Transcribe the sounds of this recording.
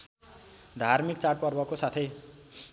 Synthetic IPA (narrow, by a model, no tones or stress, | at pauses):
d̪ʱarmikt͡saʈ̚pʌrbʌkosat̪ʰʌj